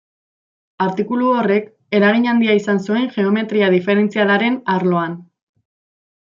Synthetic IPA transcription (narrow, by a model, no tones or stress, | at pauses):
aɾt̪ikuluore̞k | e̞ɾaɣiɲand̪iaisansue̞ŋʝe̞o̞me̞t̪ɾiaðife̞ɾe̞nt͡sialaɾe̞naɾlo̞an